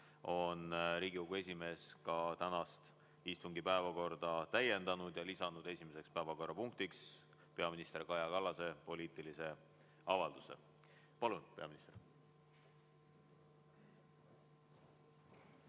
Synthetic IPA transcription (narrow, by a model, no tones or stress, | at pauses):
o̞nɾiːɡ̥ikokue̞sʲime̞ːskɑt̪ænɑst̪ | ist̪uŋɡipæevɑko̞rd̪̥ɑt̪æje̞nd̪ɑnud̪̥jɑlisɑnud̪̥e̞sʲime̞se̞kspæevɑko̞rːɑpuŋk̚t̪iks | pe̞ɑminist̪erkɑjɑkɑlːɑse̞po̞liːt̪ˑilise̞ | ɑvɑld̪̥use̞̰ | pɑlunpe̞ɑminist̪er